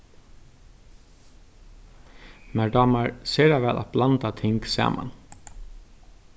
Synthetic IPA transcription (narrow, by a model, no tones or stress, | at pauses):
mæɖɑːmɑɹseːɾaʋɛlʔɑ̰t̪blɑnt̪at̪ʰɪŋksɑ̰ːmɑ̰n